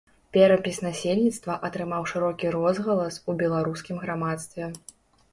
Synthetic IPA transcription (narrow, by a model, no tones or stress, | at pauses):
pʲɛɾɐpʲisʲnasʲelʲnʲit̪st̪vɐʔɐt̪ɾɨmawʂɨɾɔkʲiɾɔzɣɐlˠɐsubʲɛlˠaɾuskʲimɣɾamat̪st̪vʲɛ